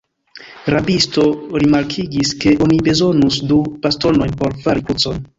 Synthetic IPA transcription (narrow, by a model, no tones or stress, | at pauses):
ɾabisto̞ɾimaɾkʰiɡiske̞ʔo̞nibe̞zo̞nusdupasto̞no̞jnpo̞ɾfaɾikut͡so̞n